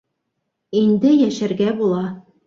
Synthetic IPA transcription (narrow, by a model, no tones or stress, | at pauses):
ind̪ɘjæʃæɾɡæbulˠɑ